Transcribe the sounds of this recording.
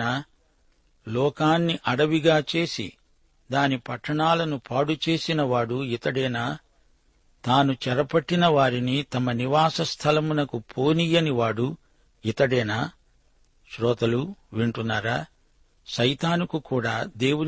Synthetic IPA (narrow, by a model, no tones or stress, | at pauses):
aː | lɔːkaːnːiʔɐɽɐʋiɡaːt͡ʃe̞ːsḭ | d̪aːnipɐʈːɐɳaːlɐnupʰaːɽut͡ʃe̞ːsinɐʋaːɽuit̪ɐɽɛːnaː | t̪aːnut͡ʃɛɾɐpɐʈːinɐʋaːɾinit̪ɐmɐniʋaːsɐst̪ʰɐlɐmunɐkupʰoːnijɐniʋaːɽu | it̪ɐɽɛːnaː | ʃɾɔːt̪ɐluʋiɳʈunːaːɾaː | ʃɐjt̪aːnukukuːɽaːd̪e̞ːwu